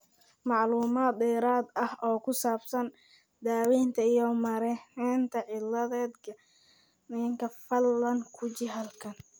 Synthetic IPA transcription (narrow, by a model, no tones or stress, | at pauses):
mɑʕluːmaːd̪̚ɛːɾaːd̪ɐhɔːkʰʊsaːbsɐn | d̪aːwiːnt̪ʰɐijɔmɐɾɛɛːnt̪ʰɐʕɪlːɐðɛːd̪kʰɐ | nɪjɐŋkʰɐfɐlːɐŋkʰʊt͡ʃɪɦɐlkʰɐn